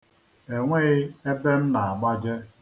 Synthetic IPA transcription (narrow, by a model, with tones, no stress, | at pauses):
e˨ŋʷe˦ɣɪ˦e˦be˦m̩˦na˨a˨ɡ͡ba˦d͡ʒe˦